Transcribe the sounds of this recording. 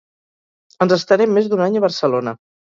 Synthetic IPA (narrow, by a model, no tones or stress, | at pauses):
ənzəst̪əɾɛmːezd̪unaɲəβəɾsəlonə